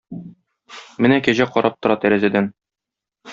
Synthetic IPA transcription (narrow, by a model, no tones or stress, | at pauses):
mɘnækæʑæqɒɾɑp̚t̪ŏɾɑt̪æɾæzæd̪æn